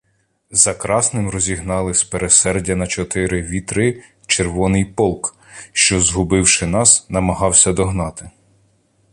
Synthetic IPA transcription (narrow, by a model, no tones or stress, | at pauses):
zɐkɾɑsnɪmrɔzʲiɦnɑlˠɪspeɾesɛrdʲɐnɐt͡ʃɔt̪ɪɾɪʋʲit̪ɾɪ | t͡ʃerʋɔnɪjpɔlˠk | ʃt͡ʃɔzɦʊbɪwʃɪnɑsnɐmɐɦɑwsʲɐd̪ɔɦnɑt̪ɪ